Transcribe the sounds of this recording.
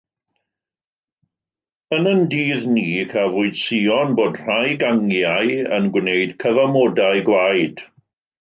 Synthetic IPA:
ənəndiːðniːkʰavʊɨd̥siɔnboːdr̥ajɡaŋjajə̰nɡwnejd̥kʰəvamɔdaɨɡwajd̥

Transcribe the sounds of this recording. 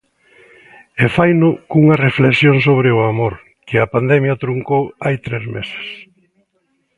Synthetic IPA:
efajnʊkuŋɐrefleksjoŋsoβɾɪʊamoɾ | kɪɐpand̪ɛmjɐt̪ɾuŋkowajt̪ɾezmese̥s

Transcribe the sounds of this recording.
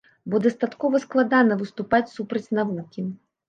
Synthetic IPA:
bɔd̪ɐst̪at̪kɔvɐsklˠad̪anɐvɨst̪upat͡sʲsupɾɐt͡sʲnavukʲi

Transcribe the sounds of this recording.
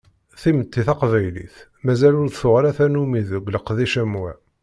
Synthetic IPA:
θimət̪ːiθɑqvæjlḭθ | mæzælʊɾðθʊʁɾæθænumiðəɡʷləqːðiʃæmwæ̰

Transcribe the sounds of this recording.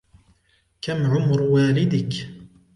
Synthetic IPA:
kamʕʊmɾwaːlɪd̪ɪk

